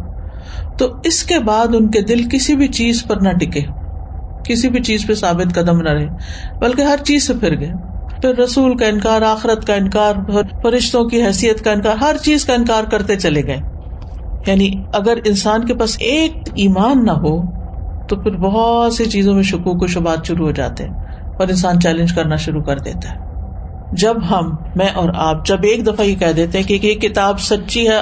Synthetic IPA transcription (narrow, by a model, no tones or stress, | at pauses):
t̪oːɪskebaːd̪ʊnked̪ɪlkɪsibʱit͡ʃiːzpɐɾnɐʈɪkeː | kɪsibʱit͡ʃiːzpesaːbɪt̪kɐd̪əmnɐɾɐɦeː | bɐlkeɦɐɾt͡ʃiːzsepʰɪɾɡɐeː | pʰɪɾːɐsuːlkaɪnkaːɾaːxɪɾət̪kaɪnkaːɾɦfɐɾɪʃt̪õkiɦɛːsijət̪kaɪnkaːɾɦɐɾt͡ʃiːzkaɪ̃nkaːɾkɐɾt̪et͡ʃɐleɡɐẽː | jaːniɐɡəɾɪnsaːnkepaːseːk̚iːmaːnːaɦot̪ofɪɾbɔɦɔt̪set͡ʃiːzõmẽʃʊkuːkoʃʊbaːt̪ʃʊɾuɦod͡ʒa̰ːt̪eɦɛ̃ | ɔːɾɪ̃ns̬aːnt͡ʃɛːlɪ̃nd͡ʒkɐɾnaʃʊɾukɐɾd̪ḛːt̪aɦɛː | d͡ʒɐbɦɐmː | ɛ̃ːʔɔːɾaːp̚d͡ʒɐbeːkd̪ɐfajekɛɦd̪eːt̪ẽɦɛ̃kekekɪt̪aːbsɐtːʃiɦɛ